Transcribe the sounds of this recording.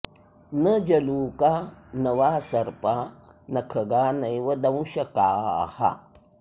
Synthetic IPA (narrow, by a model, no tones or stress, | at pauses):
nɐd͡ʒɐluːkanɐʋaːsɐɾpa | nɐkʰɐɡaːnɐjʋɐd̪ɐw̃ʃɐkaːha̰